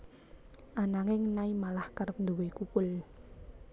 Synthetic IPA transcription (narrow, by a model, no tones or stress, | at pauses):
ʔanaŋɪŋnaimalahkərəp̚nd̪owekukʊl